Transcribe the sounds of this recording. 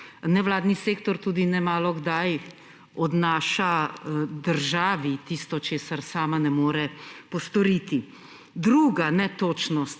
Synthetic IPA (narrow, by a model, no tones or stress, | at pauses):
nɛʋlaːd̪niseːkt̪ɔɾt̪uːd̪inɛmaːlɔɡd̪aj | ɔd̪naːʃad̪əɾʒaːʋit̪ist̪ɔt͡ʃeːsaɾsaːmanɛmoːɾɛpɔst̪ɔɾiːt̪i | d̪ɾuːɡanɛt̪oːt͡ʃnɔst̪